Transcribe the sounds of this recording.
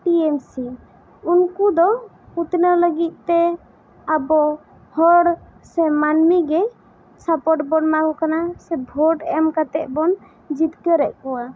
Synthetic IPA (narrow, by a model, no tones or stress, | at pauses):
ʈiemsi | unkud̪ɔ | ut̪nələɡit̪̚ˀt̪ɛ | abɔ | hɔɽ | sɛmanmiɡɛ | sapɔʈbɔnmaɡukanasɛbʱɔʈɛmkat̪ɛʔbɔn | d͡ʒit̪kəɾɛʔkɔwa